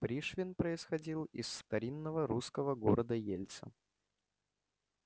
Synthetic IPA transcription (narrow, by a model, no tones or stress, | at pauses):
pɾʲiʂvʲɪnpɾəɪsxɐdʲilˠɪsːt̪ɐɾʲinːəvəɾuskəvəɡo̞ɾəd̪əjelʲt̪sə̰